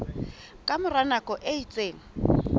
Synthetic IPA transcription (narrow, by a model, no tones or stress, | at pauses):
kʼamʊranakʼɔʔeit͡sʼeːŋ̩